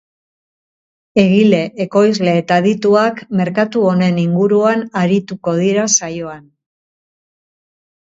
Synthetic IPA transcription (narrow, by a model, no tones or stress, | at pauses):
e̞ɣile̞ʔːko̞jzle̞ːt̪aðit̪uakme̞ɾkat̪uo̞ne̞niŋɡuɾuanaɾit̪uko̞ð̞iɾasajo̞an